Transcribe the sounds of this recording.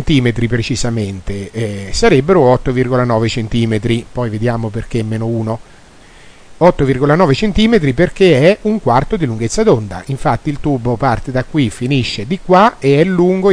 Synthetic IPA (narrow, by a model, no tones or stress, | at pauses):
nt̪iːmet̪ɾipɾet͡ʃizament̪esaɾebːeɾoɔt̪ːovirɡolanɔːvet͡ʃent̪iːmet̪ɾipɔjved̪jaːmoperk̟eɛmːeːnouːno | ɔt̪ːovirɡolanɔːvet͡ʃent̪iːmet̪ɾiperk̟eɛuŋkwart̪od̪iluŋɡet̪sːad̪ond̪a̰ʔiɱfat̪ːiːlt̪uːbːopart̪ed̪akːwifiniʃːed̪ikwaeɛlːuŋɡo